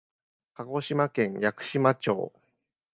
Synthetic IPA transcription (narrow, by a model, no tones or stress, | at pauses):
kaɡo̞ɕimakẽ̞ŋjakɯ̟̥ɕimat͡ɕo̰ː